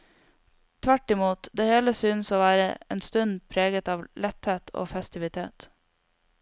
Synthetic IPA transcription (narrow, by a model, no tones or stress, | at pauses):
t̪ʰʋæʈːɪmuːt̪d̪eːheːləsyːnəsoːʋæːɾə̰ḛːnst̪ʉnpʰɾeːɡət̪ɑːʋlʔɛt̪heːt̪ʰo̰ːfɛst̪ɪʋɪt̪ʰḛːt̪